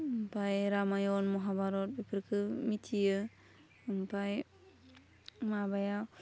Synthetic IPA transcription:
mpʰajɾamajɔnmɔɦabaɾɔt̚bepʰɯɾkʰɯmitʰijɯ | mpaj | mabajaw

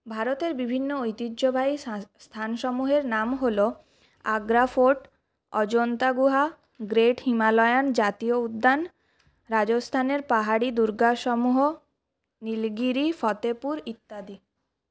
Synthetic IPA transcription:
bʱaɾot̪eɾbibʱinːoojt̪id̪d͡ʑobʱaist̪ʰanʃɔmuɦeɾnamɦolo | aɡɾafoʈ | ɔd͡ʑont̪aɡuɦa | ɡɾeʈhimalɔeand͡ʑat̪ioud̪ːan | ɾad͡ʑost̪ʰaneɾpaɦaɽid̪uɾɡaʃɔmuɦo | nilɡiɾifɔt̪epuɾit̪ːad̪i

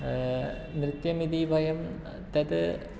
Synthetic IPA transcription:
nɾit̪jɐmid̪ibʱɐjɐm | t̪ɐd̪ɨ

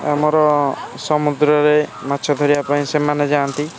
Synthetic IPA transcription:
amɔɾɔsɔmud̪ɾɔɾemat̪ːʃʰɔd̪ʱɔɾiapaĩsemaned͡ʒant̪i

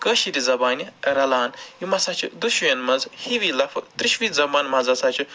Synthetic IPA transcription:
kəːʃiɾizɐbaːniɾɐlaːnjimɐsat͡ʃʰid̪uʃujɐnmɐnzhiʋiːlɐfʰɨt̪ɾiʃʋiːzɐbaːnmɐzɐsaːt͡ʃʰi

